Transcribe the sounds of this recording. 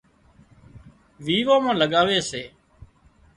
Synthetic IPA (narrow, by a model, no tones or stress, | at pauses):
ʋiːʋaːmãːləɠaːʋeːseː